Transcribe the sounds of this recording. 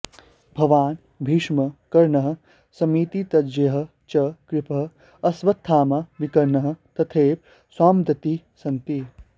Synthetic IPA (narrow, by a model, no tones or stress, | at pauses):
bʱɐʋaːn | bʱiːʂmɐkɐɾɳɐɦɐ̆ | sɐmiːt̪it̪ɐd͡ʒɐɦɐ̆ | t͡ʃɐkɾɪpʰɐ | ɐsʋɐt̪ʰːaːmɐʋikɐɾnɐɦɐ̆t̪ɐt̪ʰeːp̚ | swaːmd̪ɐt̪i | sɐnt̪i